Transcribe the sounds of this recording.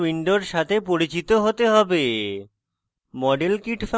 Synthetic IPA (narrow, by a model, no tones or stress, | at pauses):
wiɳɖoɾʃat̪ʰepoɾit͡ɕit̪oɦot̪eɦɔbe | mɔɖelkiʈfa